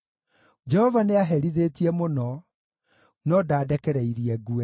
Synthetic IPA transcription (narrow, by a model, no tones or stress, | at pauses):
d͡ʒɛhɔvaneaɦɛɾiðetiɛmonɔ | nɔdaːdɛkɛɾɛiɾiɛɡuɛ